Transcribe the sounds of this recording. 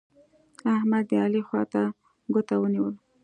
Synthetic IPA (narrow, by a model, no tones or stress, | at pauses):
ahmad̪ːəɑlixwɑ̰t̪a | ɡot̪awəniwəl